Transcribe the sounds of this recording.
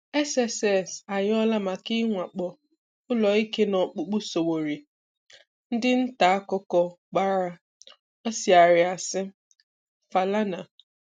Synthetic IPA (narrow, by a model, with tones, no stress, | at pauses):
e˦se˨sɛ˨sa˨ɲ˦ɔ˦la˦ma˨kɪ˦ŋʷa˨k͡pɔ˨ | ʊ˦lɔ˨i˦ke˦nɔ˨k͡pu˦k͡pu˦so˨wo˨ɾi˨ | n̩˦dɪ˦n̩˦ta˨a˦kɔ˦kɔ˦ | ɡ͡ba˦ɾa˦ | ɔ˦si˨a˨ɾɪ˨a˨sɪ˦ | fa˨la˦na˨